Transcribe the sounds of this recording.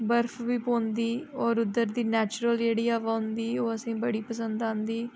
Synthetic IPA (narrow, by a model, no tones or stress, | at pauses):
bəɾfʰʋiːpõːnd̪iːɔːɾʊd̪ːəɾd̪iːnɛːt͡ʃɾəld͡ʒeːɽiːaːʋaːɦʊnd̪iːoːəsĩːbəɽiːpəsə̃nd̪ãːnd̪iː